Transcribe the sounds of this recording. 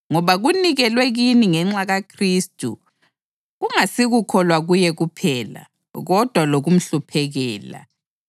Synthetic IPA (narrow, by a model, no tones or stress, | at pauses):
ŋɔβaɣuniɣɛlwɛɣiniŋɛŋ͡ǁaɣakʰristʼṵ | ɣuŋasiɣukʰɔlwaɣujɛɣupʰɛːla̰ | ɣɔd̥ʱwaloɣum̩ɬupʰɛɣɛːla̰